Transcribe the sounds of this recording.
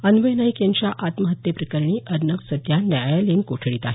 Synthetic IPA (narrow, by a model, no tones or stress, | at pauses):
ənʋəjnajkjaɲt͡ɕjaʔat̪məɦət̪jəpɾəkəɾɳiːʔəɾnəksəd̪janjajalenkoʈʰɭiːt̪aɦe